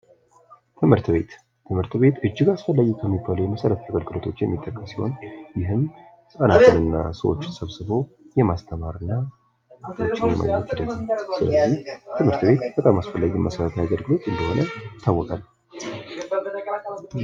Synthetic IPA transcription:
t̪ʰɨmhɨɾt̪βe̞t̪ | t̪ʰːɨmhɨɾt̪βe̞t̪ɨd͡ʒːɪɡasfəlːajɛkʰəmːibːaləwjɛməsəɾət̪t̪ʰəɡəlɡɨlot̪ʰo̞t͡ʃːjɛmːit̪ʼːəkʼːəsiho̞̰njɪɦɨm | sʼənat̪ʰɨnɨnːa̰səwot͡ʃːsəβsɨβo̞ | jɛmast̪ʰəmaɾɨnːa | ət̪ʰʼat͡ʃːɪnjɛ̰mʔa̰jɲːɛt̪ɪd̪əzasɨlə̰zːiht̪ʰɨmhɨɾt̪be̞t̪b̥ət̪ʼamasfəlːaɡimʔəsəɾət̪ʰjaɡəlɡɨlo̞t̪ɨnd̪əho̞nəjɪt̪ʰːawːɔkʼalː

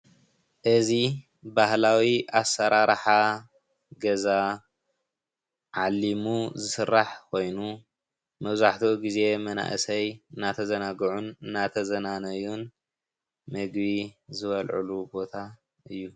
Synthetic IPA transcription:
ʔɨzi | bahlawiʔasːɐɾaɾħa | ɡɐza | ʕalːimuzɨsɨrːaħkʰo̞jnu | mɐβzaħt̪ʰoɡize̞mɐna̰ʔɨsɐjɨnːat̪ʰɐzɐnaɡʕunɨnːat̪ʰɐzɐnanɐjun | mɨɡbizɨβɐlʕṵlubo̞t̪ʰa | ʔɨjːu

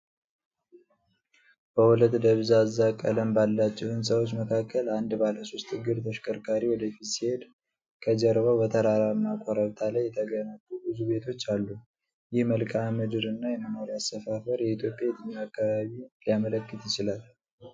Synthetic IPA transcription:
b̥əhulət̪ːd̪əβzazːakʼə̰ləmbalːat͡ʃːɛhɨnsəwot͡ʃːməkʰakːəland̪baləso̞st̪ɨɡɨɾt̪ʰəʃkʼəɾkʼaɾiwɔd̪əfit̪sihe̞d̪ | kʰəd͡ʒɛɾβəbət̪ʰəɾaɾaɨnːakʷʼɔɾəɾt̪ʰalajːɛt̪ʰəɡənət̪ʼːubɨzube̞t̪ʰo̞t͡ʃːalːu | jɪhməlkʼamɨd̪ɨɾɨnːajɛmamaɾiasəfafəɾjɛit̪ʰjo̞pʼjajɛt̪ɨɲːaakːaβaβilijamələkːɨt̪jɪt͡ʃɪlal

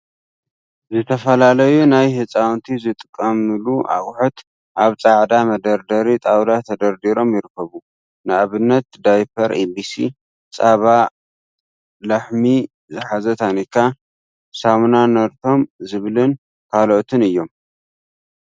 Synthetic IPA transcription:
zɨt̪ʰɐfɐlalɐjunajhɨt͡sʼawnt̪ʰizɨt̪ʼɨkʼːɐmɨluʔa̰kʼħut̪ | ʔaβt͡sʼaʕd̪amɐd̪ɐɾd̪ɐɾit̪ʼawd̪at̪ʰɐd̪ɐɾd̪iɾo̞mjɪɾɨkʰːɐβu | nɨaβɨnːɐt̪̚d̪ajpʰɐɾebisḭ | t͡sʼaβa | lɐħmi | zɨħazɐt̪ʰanikʰːa | samnanɐɾt̪ʰo̞mzɨβlɨn | kʰaloʔt̪ʰɨnɨjːo̞m

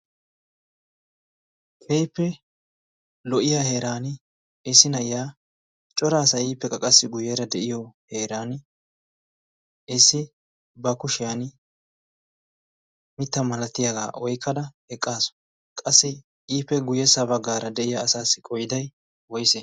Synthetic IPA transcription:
kʰejpːɛ | lɔʔɪjaːhe̞ːɾaːnɪ | ɛsːɪnɐjaː | t͡ʃʼːɔɾaːsɐiːpːɛkʼːɐkʼɐsːɪɡʊjɛɾɐd̪ɛʔɪjɔhe̞ːɾaːn | ɛsːɪ | bɐkʊʃɪjan | mɪt̪ːɐmɐlɐt̪ːɪjaɡa̰ːɔjkʰːɐd̪ɐhɛkʼːaːsɔ̥ | kʼɐsːɪ | iːpːɛɡʊjɛsɐbɐɡːaːɾɐd̪ɛʔɪjaːsaːsːɪkʼɔjɪd̪ɐj | wɔjsɛ

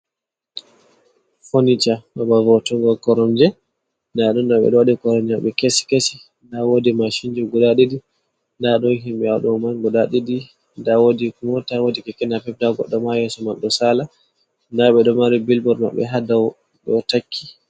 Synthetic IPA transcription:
fonit͡ʃamabavɔtɔŋɡɔkɔɾɔmd͡ʒɛ | ndaɗɔndaɓɛ̰ɗɔwadɛkɔɾɔmd͡ʒaɓɛkesi̥kesi | ndawodimaʃind͡ʒuɡɔdaɗidi | ndaɗɔnɦimɓɛaɗɔmanɡɔdaɗidi | ndawodikumɔtawodikɛkɛnapɛp̚daɡɔ̰ɗːɔmajɛsɔmaɗɔsala | ndaɓɛɗɔmaɾibilbɔɾma̰ɓɛ̰ɦadaw | ɗɔtakʰːi̥

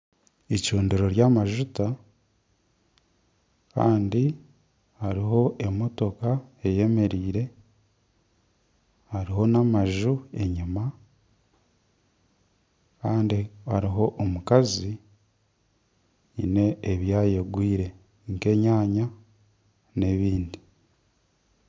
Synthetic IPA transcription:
icuːndeɾo̞ɾjamaʒuta | ka̰ːndi | haɾiɦo̞ʔe̞mo̞to̞kae̞je̞me̞ɾiːɾe̞ | haɾiɦo̞namaʒue̞ɲima | kaːndihaɾiɦo̞ʔomukazi | ine̞ːβjaːje̞ɡwiːɾe̞ | ŋke̞ɲaːɲa | ne̞βiːndi

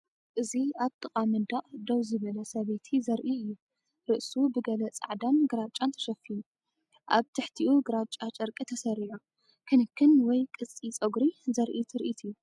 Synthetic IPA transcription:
ʔɨziaβt̪ʼɨqʼamɨd̪aʔʼd̪owzɨβɐlɐsɐβet̪ʰizɐɾʔiɨjːu | ɾɨʔsubɨɡɐlɐt͡sʼa̰ʕd̪anɡɨɾat͡ʃʼːant̪ʰɐ̥ʃɐfːiju | ʔaβt̪ʰɐħt̪ʰiʔuɡɨɾat͡ʃʼat͡ʃʼɐɾkʼit̪ʰɐsɐɾiʕo | kʰɨnɨkʰːɨnwɔjkʼɨt͡sʼːit͡sʼoɡɾizɐɾʔit̪ʰɨɾʔit̪ʰɨjːu

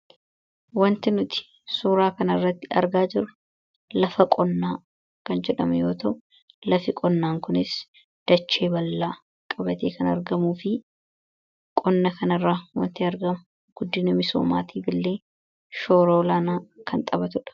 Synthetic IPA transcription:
wɐnt̪ɪnʊt̪ɪ̥ | suːɾaːkɐnɐɪrːɐt̪ːɪɐ̰ɾɡaːd͡ʒɪɾʊ | lɐfɐkʼɔnːaː | kɐnd͡ʒɛᶑɐmɛjo̞ːt̪ɐ | lɐfɪkʼɔnːaːŋkʊnɪs | d̪̥ɐt͡ʃːe̞ːbɐlːaː | kʼɐbɐt̪eːkɐnɐɾɡɐmuːfɪ | kʼɔnːɐkɐnɐrːaːwɐ̰nt̪ɪɐɾɡɐmʊ | ɡ̥ʊd̪ːɪnɐmɪso̞̰ːma̰ːt̪ʰiːbɪlːe̞ː | ʃo̞ːɾolaːnaːkʰɐnt̪ʼɐbɐt̪ʊᶑɐ̥

